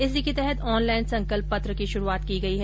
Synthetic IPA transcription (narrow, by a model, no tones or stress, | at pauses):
ɪs̬iket̪ɛɦɛt̪ʰɔːnlaːɪnsɐ̃ŋkəlpːɐt̪ɾəkiʃʊɾuaːt̪kiɡɐiɦɛ